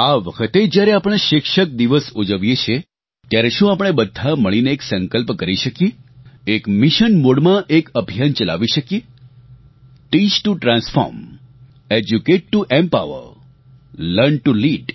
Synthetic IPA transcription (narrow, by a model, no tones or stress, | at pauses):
aʋəkʰət̪ed͡ʒjaɾeapəɽ̃eʃɪkʃək̚d̪iʋəsud͡ʒəʋjet͡ʃʰe | t̪jaɾeʃũapəɽ̃ebəd̪ʱːaməɭineːksə̃ŋkəlpkəɾiʃəkjeekmiʃənmoɽmãʔekəbʱijant͡ʃəla̰ʋiʃəkje | ʈit͡ʃʈuʈɾãnsfɔ̰ɾm | ed͡ʒjukeʈːuʔempa̰ʊə̰ɾ | ləɾɳʈuliɖ